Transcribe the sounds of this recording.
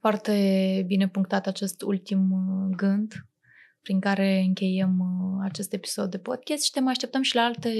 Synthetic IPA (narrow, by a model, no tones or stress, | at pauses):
foart̪e̞bine̞puŋkt̪at̪at͡ʃe̞st̪ult̪imɡɨnd̪ | pɾiŋkaɾe̞ɨŋkʲe̞jemat͡ʃe̞st̪e̞pi̥so̞d̪ːe̞po̞d̪̚kʲast̪ʃi̥t̪emajaʃt̪ep̚t̪əmʃilaalt̪e